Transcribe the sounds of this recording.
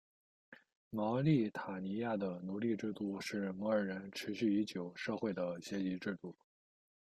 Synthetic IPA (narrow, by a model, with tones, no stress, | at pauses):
mɑ˧˥ʊli˥˩t̪ʰa˨˩ni˧˥ja˥˩d̪ə˩nu˧˥li˥˧ʈ͡ʂɻ̩˥˧t̪u˥˧ʂɻ̩˥˩mɤ˧˥ə˞˨˩ɻə˧˥nʈ͡ʂʰɻ̩˧˥ɕy˥˩i˧˥t͡ɕjo˨˩ʊʂɤ˥˧xwe˥˩ɪd̪ə˩ɕjɛ˧˥t͡ɕi˧˥ʈ͡ʂɻ̩˥˧t̪u˥˩